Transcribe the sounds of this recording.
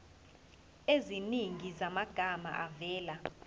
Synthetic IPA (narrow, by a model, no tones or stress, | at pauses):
eziniŋizamaɡ̥ʱama̰ʔavɛːla